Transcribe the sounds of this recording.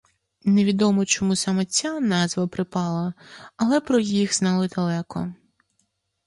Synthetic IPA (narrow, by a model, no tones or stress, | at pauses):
neʋʲid̪ɔmɔt͡ʃɔmusɑmɛt͡sʲanɑzʋɐpɾɪpɑlˠɐɐlˠɛpɾɔjixz̥nɑlˠɪd̪ɐlˠɛkɔ̰